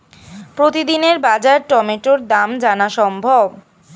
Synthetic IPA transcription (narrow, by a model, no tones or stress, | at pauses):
pɾot̪id̪ineɾbad͡ʑaɾʈɔmeʈoɾd̪amd͡ʑanaʃɔmbʱob